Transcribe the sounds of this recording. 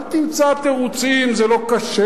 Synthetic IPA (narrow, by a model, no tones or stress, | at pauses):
lt̪imt͡sat̪eʁut͡simzɛlo̞kaʃe